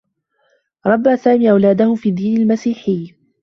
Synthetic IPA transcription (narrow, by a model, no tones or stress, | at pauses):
ɾˤɑbːaːsaːmiːʔawlaːd̪ahʊfiːd̪iːnalmasiːħɪj